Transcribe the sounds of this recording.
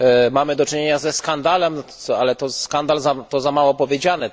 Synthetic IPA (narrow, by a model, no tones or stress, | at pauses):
mamɘd̪ɔt͡ʂɘɲeɲazɛskand̪alɛmɔalɛt̪ɔskand̪alzat̪ɔzamawɔpɔvʲjed͡ʑanɘ